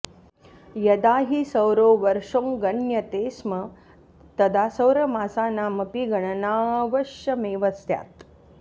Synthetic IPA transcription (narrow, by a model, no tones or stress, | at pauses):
jɐd̪aːɦisɐwɾoːʋɐɾʂoːŋɡɐnjɐt̪eːsmɐ | t̪ɐd̪aːsɐwɾɐmaːsaːnaːmɐpiɡɐɳɐnaːʋɐʃjɐmeːʋɐst̪ja̰ːt̪